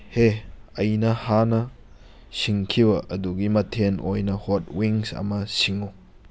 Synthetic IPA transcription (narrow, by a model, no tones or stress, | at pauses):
heɐjnɐhanɐ | siŋkʰiwɐʔɐduɡimɐtʰenojnɐhot̚wiŋsa̰mɐsiŋu